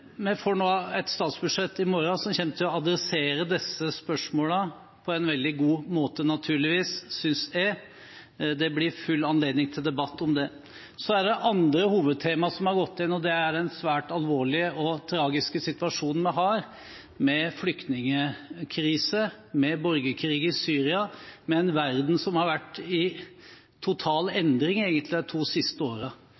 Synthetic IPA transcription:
mɛfɔɳoːɛt̪st̪ɑːt̪sbʉd̪ʂɛt̪ːɪmɔɾɑsɔmçɛmt̪ʰəɔɑd̪ɾɛseːɾəd̪ɛsːəspœʂmoːlə | pʰɔɛnʋɛld̪ɪɡuːmoːt̪ənɑt̪ʰʉːɭɪʋiːsːʏnsɛ | d̪ɛblɪɾfʉlːɑnleːd̪nɪŋt̪ʰɪld̪ɛbɑt̪ːɔmd̪ɛ | sɔæɖɛʔɑnd̪ɾəhuːʋəd̪̚t̪ʰeːmɑsɔmhɑɾɡɔt̪ːɪnɔd̪ɛæɖɛnsʋæːʈɑlʋoːɭɪəʔɔt̪ʰɾɑːɡɪskəsɪt̪ʋɑʂuːnn̩mɛɦɑːɾ | mɛflʏkt̪nɪŋəkʰɾiːsə | mɛbɔɾɡəkʰɾiːɡəɪsyːɾɪɑmɛːnʋæɾd̪n̩sɔmhɑɾʋæʈːɪ | t̪ʰʊt̪ʰɑːlɛnd̪ɾɪŋeːɡənt̪ʰlɪd̪t̪ʰuːsɪst̪əoːɾə

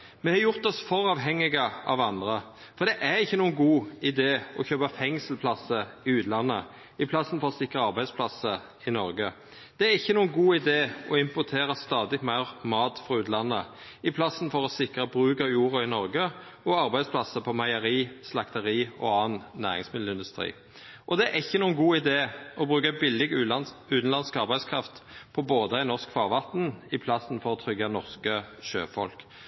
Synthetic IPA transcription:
mɛhɑjʊʁt̪ɔsfɔɾɑːʋɦɛŋːɪɡəʔɑ̰ʋɑnd̪ʁə | fɔʁd̪ɛʔæɾɪçːənuːənɡuːɪd̪eːɔçøːpəfɛŋsəlpʰlɑsəɪʉːt̪lɑnːə | ɪpʰlɑsːənfɔɾɔsɪkʁəɑʁbæɪspʰlɑsə | ɪnɔɾɡə | d̪̥ɛæɾɪçːənuːənɡuːɪd̪eːɔɪmpʊt̪ʰeːɾɑst̪ɑːd̪ɪmæɪʁmɑːt̪fʁɑʉːt̪lɑnːə | ɪpʰlɑsn̩fɔʁɔsɪkʁəbɾʉːkɑjuːʁɑɪnɔʁɡə | ɔɑʁbæɪspʰlɑsəpʰɔmɑɪəʁiːslɑkt̪əʁiːɔ̰ɑːnnæ̰ːʁɪ̰ŋsmɪd̪l̩ɪnd̪ʉst̪ʁḭː | ʔɔd̪ɛæʔɪçːənuːənɡuːɪd̪eːɔbʁʉːkəbɪlːɪɡʉːt̪n̩lɑnskɑʁbæɪskʰʁɑft̪pʰɔboːd̪əæɪnɔʁskfɑːʁʋɑt̪n̩ɪpʰlɑsn̩fɔɾɔt̪ʰʁʏɡːɑnɔʁskəʃø̰ːfɔ̰lk

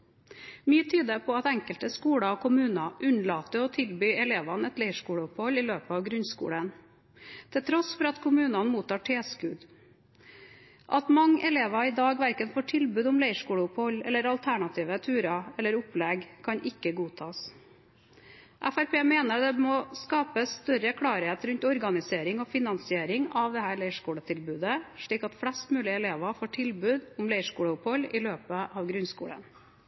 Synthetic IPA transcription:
myːət̪ʰyːd̪əpʰɔɑt̪ɛŋkəlt̪əskuːɽɑkʰʊmʉːnɑʔʉnlɑːt̪əɔt̪ʰɪlbyːɛleːʋɑnɛt̪læɪʂkuːɽəʊphɔlɪløːpəɑʋɡɾʉnskṵːɽən | t̪ʰɪlt̪ʰɾɔsfɔɾɑt̪kʰʊmʉːnɑnmuːt̪ɑːʈʰeːskʉd̪ | ʔɑt̪mɑŋːʔɛleːʋɑɪd̪ɑːɡʋæɾkənfoːʈʰɪlbʉːd̪ʊmlæɪʂkuːɽəʊphɔlɛlːəɾɑlt̪ʰæɳɑt̪ʰiːʋət̪ʰʉːɾɑɛlːəɾʊplɛɡkʰɑɲʔɪkːəɡuːt̪ʰɑːs | ʔæfæɾpʰeːmeːnəɾd̪ɛmɔskɑːpəst̪œɾəkʰɽɑːɾɪheːt̪ɾʉnt̪ɔɾɡɑnɪseːɾɪŋoːfɪnɑnsɪeːɾɪŋɑʋd̪ɛhæːɭæɪʂkuːɽət̪ʰɪlbʉːd̪əʂɭiːkɑt̪fɽɛst̪mʉːlɪɛleːʋɑfoːʈʰɪlbʉːd̪ʊmlæɪʂkuːɽəʊphɔlɪløːpəʔɑʋɡɾʉnskṵːɽə̰n

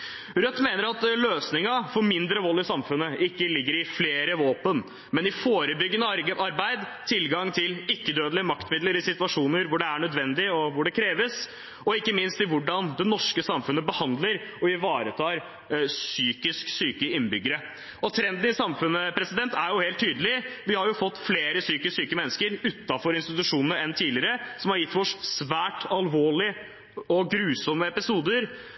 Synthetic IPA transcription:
ɾœt̪ːmeːnəɾɑt̪løːsnɪŋɑfɔɾmɪnd̪ɾəʋɔlːɪsɑmfʉnːəʔɪkːəlɪɡːəɾɪfleːɾəʋoːpən | mɛnɪfoːɾəbʏɡːənəɾʔɑɾbæɪd̪t̪ʰɪlɡɑŋt̪ʰɪlɪkːəd̪øːd̪əlɪəmɑkt̪mɪd̪ləɾɪsɪt̪ʉɑʂuːnəɾʋʊɖɛæɳœd̪ʋɛnd̪ɪɔʋʊɖɛkʰɾeːʋəs | ɔɪkːəmɪnst̪ɪʋʊɖɑnd̪ɛnɔʂkəsɑmfʉnəbəhɑnd̪ləɾɔɪʋɑːɾət̪ʰɑːɾ | syːkɪsksyːkəɪnːbʏɡːəɾə | ɔt̪ʰɾɛnd̪n̩ɪsɑmfʉnːəpʰɾɛsɪd̪ɛnt̪ʰæɾjʊheːlt̪ʰːyːd̪əlɪʋɪhɑɾjʊfɔt̪ːfleːɾəsyːkəsyːkəmɛnːəskəɾʉt̪ːɑfɔɾɪnst̪ɪt̪ʉʂuːnnəɾɛnt̪ʰiːlɪəɾəsɔmhɑɾjɪt̪ːʋɔʂsʋæːʈɑlʋoːɭɪ | ɔɡɾʉːsɔmːəɛpɪsuːd̪əɾ

